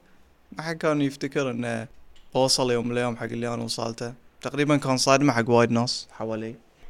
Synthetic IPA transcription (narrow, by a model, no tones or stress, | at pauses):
maħaɡ̚kaːnujɪft̪akɪɾʔɪnːab̥awɑsˤɑljoːmɪljoːmħaɡːɪlːijaːnawsˤɑ̰ːlt̪at̪aqɾiːbankaːnsˤɑːd̪maħaɡːwaːjɪd̪nɑsˤħawaːliː